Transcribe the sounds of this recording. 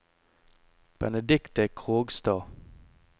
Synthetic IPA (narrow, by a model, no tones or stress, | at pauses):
b̥ɛnəd̪ɪkt̪əkʰʁoːɡst̪ɑː